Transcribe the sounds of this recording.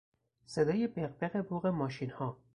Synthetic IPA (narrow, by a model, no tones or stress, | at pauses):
sed̪ɒːjebeqbeɣeboːɣemɒːʃinhɒː